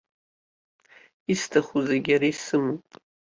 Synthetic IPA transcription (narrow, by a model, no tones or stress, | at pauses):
istʰaχuzaɡʲaɾaisɨmu